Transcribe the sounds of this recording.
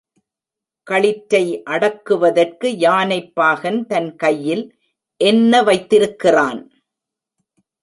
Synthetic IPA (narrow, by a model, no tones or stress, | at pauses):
kɐɭɪʈːɐɪʔɐɽɐkːɯʋɐðɐrkɯjaːnɐɪpːaːɣɐnt̪ɐnkɐjːɪl | ʔɛnːɐʋɐɪt̪ːɪɾɯkːɪraːn